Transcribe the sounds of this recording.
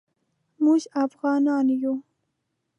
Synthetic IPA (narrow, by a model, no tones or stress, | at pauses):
muʒafɣɑnɑnju